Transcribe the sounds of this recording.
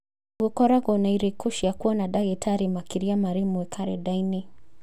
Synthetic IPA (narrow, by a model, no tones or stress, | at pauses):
ɡukɔɾaɡɔnaiɾɛkuʃijakuanaɗaɡɛtʰaɾimakiɾiamaɾimuwɛkʰaɾɛdajni